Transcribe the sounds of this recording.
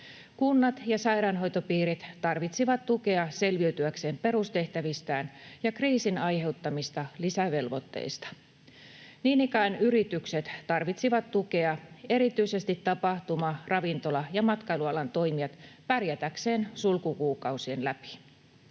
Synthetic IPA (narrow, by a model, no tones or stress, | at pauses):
kunːɑt̪jɑsɑjɾɑnɦo̞jt̪opiːɾit̪t̪ɑrʋit̪siʋɑt̪t̪uke̞ɑse̞lʋiøɥt̪yækse̞ːmpe̞ɾust̪e̞ht̪æʋist̪æːnjɑkriːsinɑjhe̞wt̪ːɑmist̪ɑlisæʋe̞lʋo̞t̪ːḛist̪ɑ̥ | niːnikæːnyɾit̪ykset̪t̪ɑrʋit̪siʋɑt̪t̪uke̞ɑe̞ɾit̪yise̞st̪it̪ːɑpɑht̪umɑrɑʋint̪o̞lɑjɑmɑt̪kɑiluɑlɑnt̪o̞jmiɑt̪pærjæt̪ækse̞ːnsulkukuːkɑwsienlæpi̥